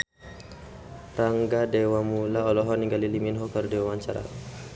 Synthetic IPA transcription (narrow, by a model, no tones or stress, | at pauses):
raŋɡadewamulaɔlɔɦɔniŋɡaliliminɦɔkərdewwaɲt͡ʃaɾa̰